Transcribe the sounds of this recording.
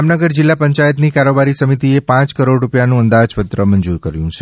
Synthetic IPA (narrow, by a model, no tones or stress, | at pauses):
mnəɡəɾd͡ʒɪlːapəɲt͡ʃajət̪nikaɾobaɾisəmit̪iepãt͡ʃkəɾoɖɾupjanũənd̪ad͡ʒpət̪ɾəməɲd͡ʒuɾkəɾjũt͡ʃʰe